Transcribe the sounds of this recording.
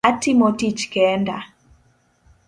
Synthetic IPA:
atimotit͡ʃkɛnda̰

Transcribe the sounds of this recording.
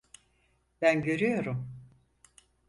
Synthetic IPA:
b̥ænɟø̞ɾyjo̞ɾum

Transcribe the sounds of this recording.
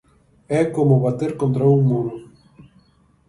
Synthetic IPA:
ɛkomʊβat̪eɾkont̪ɾauŋmuɾʊ

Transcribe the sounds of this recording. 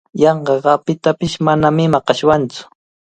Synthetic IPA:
jɑɴɢɑɢɑpɪt̪apɪʃmanamɪmɑqɑʃwant͡sʊ̥

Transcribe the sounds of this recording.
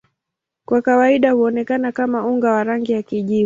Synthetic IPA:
kwakawaiɗahuɔnɛkanakamauŋɡawaɾaŋɡijakiʄi

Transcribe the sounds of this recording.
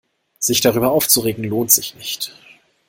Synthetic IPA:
z̥ɪçd̥aʁ̞yːbɐʔaʊft͡suʁeːɡŋ̩loːntz̥ɪçnɪçt

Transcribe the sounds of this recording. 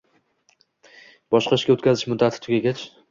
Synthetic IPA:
bɒʃqɑɪʃɡʲaʊt̪̚kʲʰazɪʃmʊd̪ːat̪ʰɪ̥t̪ʰʊɡʲaɡʲat͡ʃʰ

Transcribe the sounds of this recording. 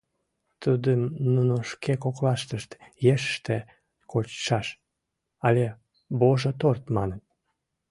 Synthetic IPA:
t̪ud̪əmnunoʃkekoklɑʃt̪əʃt̪jeʃəʃt̪e | kʰot͡ɕʃɑʃ | ɑlʲe | boʒət̪ort̪mɑnət̪̚

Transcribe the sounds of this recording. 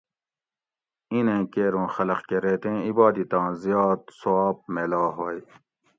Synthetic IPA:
inẽːkeːɾõːxɐlɐqkeɾeːt̪ẽːibɑːd̪it̪ɑ̃ːzijɑːt̪̚suaːp̚meːlaːɦoːj

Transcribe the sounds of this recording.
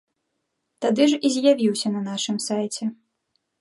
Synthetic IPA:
t̪ad̪ɨʐizʲjavʲiwsʲɐnɐnaʂɨmsajt͡sʲɛ

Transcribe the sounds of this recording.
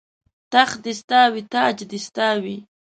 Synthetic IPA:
t̪aχd̪ɪst̪aːwit̪aːd͡ʒd̪ɪst̪awi

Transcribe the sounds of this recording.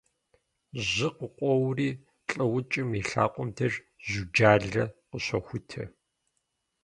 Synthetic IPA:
ʑɪqəqʷʼɔwriː | t͡ɬʼɐwʊt͡ʃʼɪmiɬa̰ːqʷʼɔmdʰɐr | zud͡ʒaːɮɐqəɕɐxʷʊtʰɐ̰

